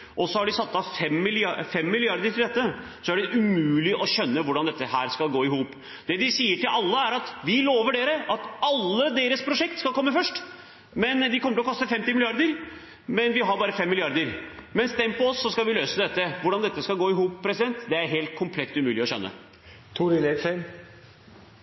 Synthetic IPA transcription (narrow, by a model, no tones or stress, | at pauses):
ʔɔsɔhɑɖɪsɑt̪ːɑfɛmːɪlɪɑfɛmːɪlɪɑɾd̪əʈʰɪlɛt̪ːə | sɔæɖɛʔʉmʉːlɪʔɔɕœnːəʋʊɖɑnd̪ɛt̪ːəhæːɾskɑlɡoːɪɦuːp | d̪̥ɛd̪ɪsiːəʈɪlʔɑlːəæɾɑt̪ʋɪloːʋəɖeːɾəʔɑt̪ɑlːəd̪eːɾəspʰɾʊʂɛk̚t̪skɑlˠkʰɔmːəfœʂʈ | mɛnd̪ɪkʰɔmːəʈəlɔkɔst̪əfɛmt̪ɪmɪlɪɑɾd̪əɾ | mɛnʋɪɦɑɾbɑːɾəfɛmːɪlɪɑɾd̪əɾmɛnst̪ɛmpɔɔsːɔskɑlʋɪløːsəd̪ɛt̪ːəʋʊɖɑnd̪ɛt̪ːəskɑɡoːɪɦuːppʰːɾɛsɪd̪ɛnt̪d̪ɛæɾɦeːlt̪̚kʰʊmpʰlɛt̪ːʉmʉːlɪɔɕœ̰nːə̰ | t̪ʰuɾɪlɛsɛn